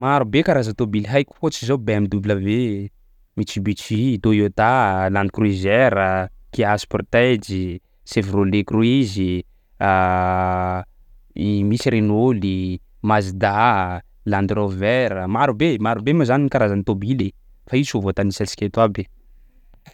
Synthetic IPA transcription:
maɾubekaɾazat̪obilɦajkʲu̥ot͡ʃizowbeamid̪ubiləve | mit͡ʃibit͡ʃid̪ojot̪aland̪ikruizɛɾəkiaspɔrt̪ed͡ʒi | sevrolekruizi | a | misiɾenoli | mazid̪a | land̪rovɛɾəmaɾubemaɾubemazaninikaɾazanit̪obile | faisovot̪anisɛlsi̥kʲet̪wabe

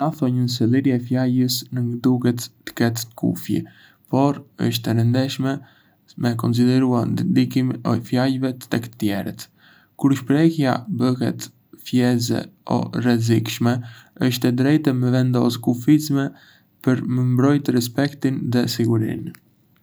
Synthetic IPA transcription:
aθɔɲəns̬ɛlˠiɾɛfjajəsnəŋɡd̪uɡɛt̪ːə̥kɛt̪kʰṵfjḭ | pɔɾə̰ʃ̬t̪ɛɾənd̪ɛʃmɛ | mɛkɔns̬id̪ɛɾuadnd̪ikimɔjfjajvɛt̪ə̥t̪ɛk̪t̪jɛɾə̰t̪ | kuɾʃpɾɛhja̰bəɦɛ̰t̪ | fjɛzɛ̰ɔ̰rɛzikʃmɛəʃt̪ɛd̪ɾɛjt̪ɛmɛvɛnd̪ɔskufizmɛ | pəɾməmbɾɔjt̪əɾɛs̬pɛkt̪inðɛsiɡuɾḭn

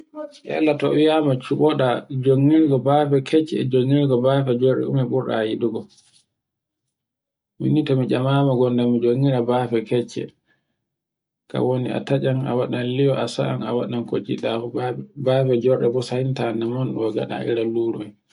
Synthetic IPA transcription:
ja̰lːatɔ̰wijamat͡ʃuɓɔɗad͡ʒoŋːiɾɡɔbafɛkʰɛt͡ʃːɛ̰d͡ʒoŋːiɾɡɔbafɛd͡ʒɔɾɗɛ̰ṵmɛɓuɾɗa̰jiɗuɡɔ | mḭnitɔmid͡ʒamaːmaɡɔndamid͡ʒoŋːiɾabafɛkɛt͡ʃːɛ̰ | ka̰wonia̰tad͡ʒana̰waɗanlijɔʔasa̰ʔanawaɗankot͡ʃilabafɛd͡ʒɔɾɗɛbɔsahintanamɔnɗɔɡa̰ɗa̰ḭɾaluɾuj

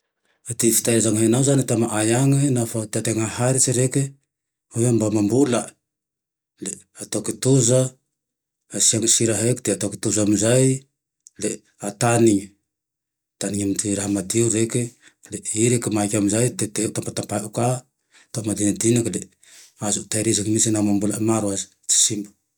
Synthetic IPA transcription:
at̪ifi̥t̪ajazaŋɦenawzanit̪amaʔajaŋenafat̪at̪eŋahaɾiseɾeke | ojambamambula | le | at̪oket̪uzaː | saŋsiɾaɦekt̪iat̪oki̥t̪uzamuzaj | le | ataniŋ | taniŋamtiɾaɦamadiuɾekeleiɾekemakamuzajteteut̪ampatapaʔuka | t̪omadiŋadinakele | azuʔt̪ajɾisaŋmisinamambulamaɾuasi̥ | t͡ʃi̥simbu

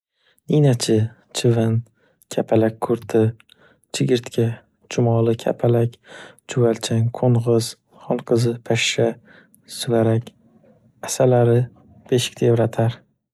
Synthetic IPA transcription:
ninat͡ʃʰɪ | t͡ʃʰɪvan | kʲʰapʰalak̚ʲkʰːʊɾt̪ʰɪ | t͡ʃʰɪɡʲɪɾt̪kʲʰa | t͡ʃʰʊmɒlˠɪkʲʰa̰pʰalakʲt͡ʃʰʊvalt͡ʃʰaŋqʰoɴʁɨz̥ | χɒlˠqʰɨzɪpʰaʃːa | sʊvaɾakʲ | asalaɾɪ | beʃɪ̥k̚ʲd̪̥evɾat̪ʰaɾ

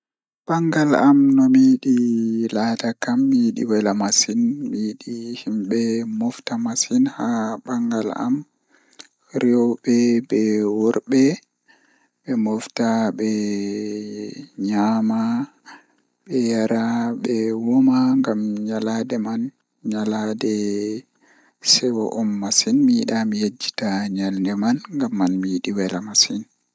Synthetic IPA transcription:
b̥aŋɡalamnɔmiːɗilatakamːiɗḭwɛlamasinmiɗihimɓɛmɔftamasinhaɓaŋɡala̰m | ɾiɔwɓɛbɛwɔɾɓɛ | ɓɛmɔftaɓɛ | ɲama | ɓɛjaɾaɓɛwɔmaŋɡamɲaladɛman | ɲaladɛ | sɛwɔʔɔmːasinmiiɗamijed͡ʒːi̥taɲalndɛmanŋɡamːanmijiɗiwɛlamasin

